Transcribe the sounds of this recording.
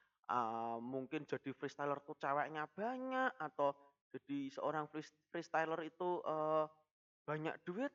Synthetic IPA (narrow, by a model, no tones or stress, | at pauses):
ʔəmuŋkɪn̥d͡ʒ̥a̤d̥i̤fɾist̪ajlərt̪ut͡ʃawaʔɲab̥a̤ɲaʔat̪awd̥ʒ̥a̤d̪̥i̤səoɾaŋfifɾist̪ajlərit̪uʔə | b̥a̤ɲa̰ʔd̪̥ṳwɪt̪̚